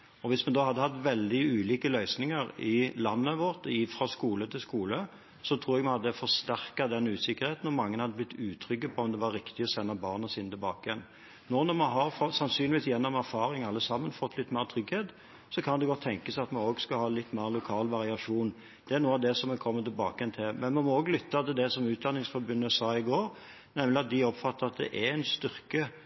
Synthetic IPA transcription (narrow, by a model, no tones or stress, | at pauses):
ɔʋɪsmɛnd̪ɑːhɑd̪ːəhɑt̪ːʋɛld̪ɪʉːliːkəlœʏsnɪŋəɾɪlɑnːəʋɔʁt̪ɪfɾɑskuːlət̪ʰɪlskuːlə | sɔt̪ʰɾuːɾɛɡmɛnhɑd̪ːəfɔst̪æʁkɑd̪ɛnʉːsɪkːəɾheːt̪n̩ɔmɑŋːənhɑd̪əblɪt̪ːʉːt̪ʰɾʏɡəpʰɔɔmd̪ɛʋɑɾɪkt̪ɪɔsɛnːɑbɑːʁnɑsiːnət̪ɪlbɑːkəɪjɛn | nɔʁnɔmɑɦɑʁfɔsɑnsyːnlɪʋiːsjɛnːɔmæɾfɑːɾɪŋɑlːəsɑmːənfɔt̪ʰːlɪt̪ːmæɪʁət̪ʰɾʏɡheːt̪ | sɔkʰɑnd̪ɛɡɔt̪ʰːɛŋkəsæɪɑt̪mɑnoːɡskɑhɑːlɪt̪ːmæɪʁəlʊkʰɑːlʋɑʁɪɑʂuːn | d̪̥ɛæʁnuːəɑʋd̪ɛsɔmɛkʰɔmːət̪ɪlbɑːkəjɛnt̪ʰɪlmɛnmɛnmɔoːɡlʏt̪ːɑt̪ɪld̪ɛsɔmʉːt̪̚d̪ɑnːɪŋsfɔɾbʉnːəsɑːɪɡoːɾ | nɛmlɪɑt̪̚d̪ɪɔpfɑt̪ːəɾɑt̪̚d̪ɛ̰ʔæɛnst̪ʏɾkə